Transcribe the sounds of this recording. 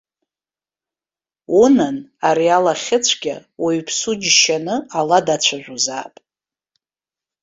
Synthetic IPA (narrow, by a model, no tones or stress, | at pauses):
unanaɾialaχʲɪt͡sʷʰɡʲa̰weɥpʰsud͡ʒʃanɨaladat͡ɕʷʰaʒʷᶣuza̰ːpʼ